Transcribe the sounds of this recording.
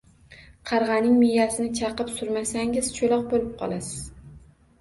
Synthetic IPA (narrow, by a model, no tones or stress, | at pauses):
qʰɑɾʁɑnɪŋmijasɪnɪt͡ʃʰɑqɨpsʊɾmasaŋɪzt͡ʃʰolˠɒq̚bolɪp̚qʰɒ̰lˠasɪz̥